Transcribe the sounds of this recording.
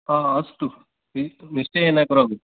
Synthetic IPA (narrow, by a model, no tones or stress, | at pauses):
aːɐst̪u | iniʂʈeeːnaːkɐɾaːɡu